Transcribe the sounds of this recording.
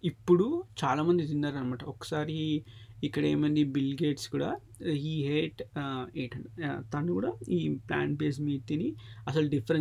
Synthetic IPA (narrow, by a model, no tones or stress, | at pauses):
ipːuɽut͡ʃaːlaːmɐnd̪id̪ind̪ɐːɾɐnɐmaːʈɐɔkːɐ̥saːɾiikːɐɽḛːmɐnd̪ibilɡeːʈskuːɽaː | iːɦeːʈeːʈɐɳt̪ɐnːukuːɽaːiːpla̰ːɳbeːs̬miːt̪iniɐsɐluɖipʰːɐɾe